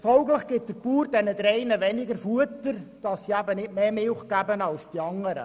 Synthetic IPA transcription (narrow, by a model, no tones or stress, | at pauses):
fɔlɡləχɡ̥ɪt̚d̥əɾpuːɾd̥ɛnədɾɛɪnəʋɛnɪɡəɾfuətəɾd̥ɑsːiæbənɪtmeːmɪlχɡ̥æbənɑlsd̥iɑŋːəɾə̰